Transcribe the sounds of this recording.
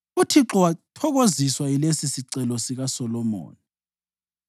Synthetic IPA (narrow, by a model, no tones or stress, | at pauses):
utʰiǁɔwatʰɔɣoziswailesisiǀɛlɔsiɣasɔlɔmo̰ːni